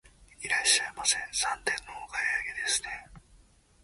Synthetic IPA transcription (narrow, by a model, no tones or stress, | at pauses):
iɾaɕːaemasẽ̞ɰ̃sãnt̪ẽnːookaiaɡed̪e̞sɨ̥ne̞